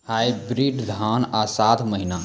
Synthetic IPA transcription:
hajbɾiɖd̪ʱanasat̪ʰməɦina

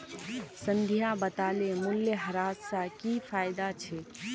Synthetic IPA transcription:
sə̃nd̪ʱijabət̪alemuljəɦəɾassakifʰajd̪at͡ʃʰɛ

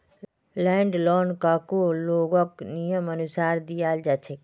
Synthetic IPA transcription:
lɛɳɖlɔːnkakoloːɡəknijəmənusaːɾd̪ijaːld͡ʒat͡ʃʰek

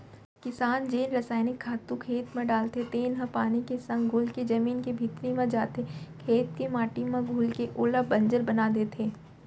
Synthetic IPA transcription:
kɪsaːnd͡ʒeːnɾɐsaːɪnɪkʰːaːt̪ũkʰeːt̪mẽɖaːlt̪ʰet̪eːnɦə̃paːnikesɐ̃ŋɡɡʱʊlked͡ʒɐmiːnkebʱit̪ɾimãd͡ʒaːt̪ekʰeːt̪kemaːʈimãɡʱʊːlkeʔoːləbɐ̃ɲd͡ʒəɾbɐnad̪eːt̪ʰeː

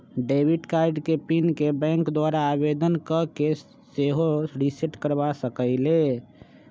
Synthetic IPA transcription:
ɖebiʈkaɪɖkepinkebɛ̃ŋkd̪waɾaːbed̪ənkəke | seɦoɾisiʈkəɾbasəkəɪle

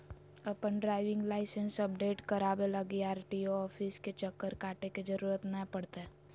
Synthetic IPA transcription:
ɐpənɖɾaːɪʋɪ̃ŋɡlaːɪsənsɐpɖeːʈkɐɾaːbeləɡiaːɾʈioɔːfʰisket͡ʃəkːəɾkaːʈeked͡ʒəɾuːɾət̪nəpɐɽt̪eɦɛː

